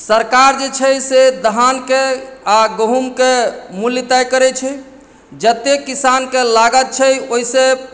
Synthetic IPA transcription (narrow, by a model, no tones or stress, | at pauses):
səɾkaɾd͡ʒet͡ʃʰɛsed̪əɦankeaɡəɦumkemuljt̪ajkəɾɛt͡ʃʰɛ | d͡ʒət̪ekisankelaɡət̪̚t͡ʃʰɛoise